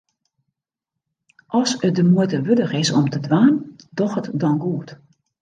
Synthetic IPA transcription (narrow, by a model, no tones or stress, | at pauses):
ʔɔsədəmujtəʋødəxɪsɔmtʰədʋaːndɔxətdɔnɡuət